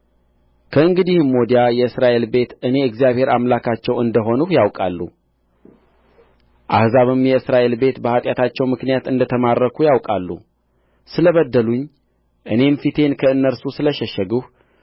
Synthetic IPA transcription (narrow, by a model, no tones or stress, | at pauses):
kʰəɨŋɡɨd̪ihmːod̪jajɛɨsɾaʔe̞lbe̞t̪ɨne̞ɨɡzijaβhe̞ɾamlakʰat͡ʃːɛwɨnd̪əɦo̞nuhjawkʼalːṵ | ʔa̰hzaβɨmjɛɨsɾaʔe̞lbe̞t̪bəhat̪ʼjat̪ʰat͡ʃːɛwmɨknijat̪ɨnd̪ət̪ʰəmarːəkʰujawkʼalːṵ | sɨləβəd̪ːəluɲː | ʔɨne̞mfit̪ʰe̞nkʰəɨnːəɾsusɨləʃɛʃːəɡɨh